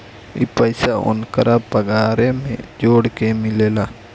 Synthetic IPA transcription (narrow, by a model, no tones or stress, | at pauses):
ḭpəjɪsaʊ̰nkəɾʔapəɡaːɾemḛ̃d͡ʒoːɽkemɪleːlaː